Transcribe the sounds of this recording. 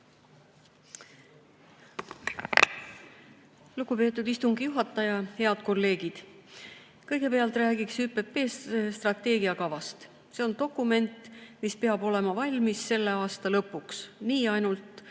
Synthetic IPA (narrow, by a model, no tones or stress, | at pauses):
luɡ̥upe̞ːt̪ːˑud̪ist̪uŋɡ̥ijuɦɑt̪ːˑɑjɑhe̞ɑd̪̥ko̞lːe̞ːɡ̥id̪̥ | kɤjɡ̥e̞peɑlt̪ˑræːɡiksyːpːe̞pːe̞ːsst̪rɑt̪ːe̞ːɡiɑkɑvɑst̪ | se̞o̞nd̪̥o̞kːˑume̞nt̪ˑmispe̞ɑbo̞le̞mɑvɑlʲmisse̞lːe̞ɑːst̪ɑlɤpːˑuksniːɑjnult̪ˑ